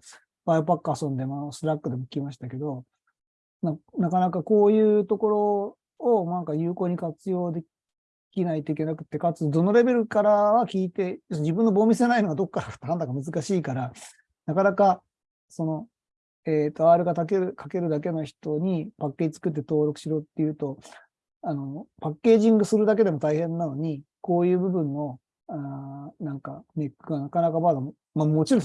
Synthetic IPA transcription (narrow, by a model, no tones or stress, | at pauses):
b̥aɯpakːɯasõ̞nd̪e̞masɨɾakːɯ̟d̪e̞mo̞kʲimaɕ̬i̥t̪ake̞d̪o̞ | nanakanakako̞ːjɯ̟ːt̪o̞ko̞ɾo̞ː | nãŋkajɯ̟ːko̞ːɲ̟ikat͡sɨjo̞ːd̪e̞ | kʲinait̪o̞ikʲe̞nakɯ̟t̪ːekat͡sɨd̪o̞no̞ɾe̞be̞ɾɯ̟kaɾaβakʲiːt̪e̞joɕd͡ʑibɯ̃nːo̞bo̞ːmʲisenaino̞ɡad̪o̞kːad̪akḁt̪ːɦãnt̪aɡamɯ̟zɨkaɕiːkaɾa | nakanaka | so̞no̞ | et̪ːoaɾɯ̟ɡat̪akeɾɯkʰake̞ɾɯ̟d̪ak̬e̞no̞çi̥t̪o̞ɲ̟ipakːe̞ːd͡ʑit͡sɨ̥kɯ̟t̪̬ːe̞t̪o̞ːɾo̞kɯ̟̥ɕiɾo̞ːt̪ːe̞jɯ̟ːt̪o̞ | ano̞pakːe̞ːʑĩŋɡɯ̟sɨɾɯd̪ak̬e̞d̪e̞mo̞t̪aihẽ̞nːano̞ɲ̟iko̞ːjɯ̟ːbɯ̟bɯ̟̃ɰ̃ːo̞ | anãŋkane̞kːɯɡanakanakamad̪am | mamo̞t͡ɕiɾõ